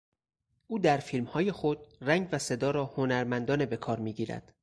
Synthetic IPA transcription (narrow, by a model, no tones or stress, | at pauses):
ʔuːd̪æɾfilmhɒːje̞xo̞d̪̥̚ræŋɡvæse̞d̪ɒːɾɒːhonæɾmænd̪ɒːnebe̞kʰɒːɾmiːɟiːɾæ̰d̪̥